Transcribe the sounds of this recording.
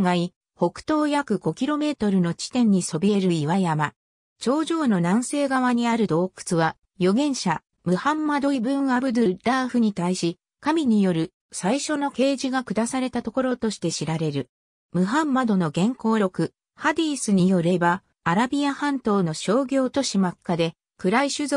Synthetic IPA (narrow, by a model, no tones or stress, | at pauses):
ŋai | ho̞kɯ̟̥t̪o̞ːjakɯ̟ɡo̞kʲiɾo̞me̞ːt̪o̞ɾɯ̟no̞t͡ɕi̥t̪ẽ̞ɲ̟ːiso̞bʲie̞ɾɯ̟iβajama | t͡ɕo̞ːʑo̞ːno̞nãɰ̃se̞ːɡaβaɲ̟iaɾɯ̟d̪o̞ːkɯ̥t͡sɨβa | jo̞ɡẽ̞ɰ̃ɕa | mɯ̟hãmːad̪o̞ibɯ̟̃ɰ̃abɯ̟d̪ɯɾaːɸɯ̟ɲ̟it̪aiɕi | kamʲiɲ̟ijo̞ɾɯ̟ | saiɕo̞no̞ke̞ːʑiɡakɯ̟d̪asaɾe̞t̪at̪o̞ko̞ɾo̞t̪o̞ɕi̥t̪e̞ɕiɾaɾe̞ɾɯ̟ | mɯ̟ɦãmːad̪o̞no̞ɡẽ̞ŋko̞ːɾʲo̞kɯ | had̪ʲiːsɨɲ̟ijo̞ɾe̞baː | ɾabʲiahãnt̪o̞ːno̞ɕo̞ːɡʲo̞ːt̪o̞ɕimakːad̪e̞ | kɯ̟ɾaiɕɨzo